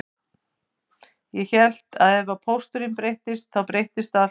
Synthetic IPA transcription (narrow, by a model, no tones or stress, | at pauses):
jɛçɛl̥t̪aðɛvapʰowst̪ʏɾɪmpɾejht̪ɪst̪̚θawpɾejht̪ɪst̪a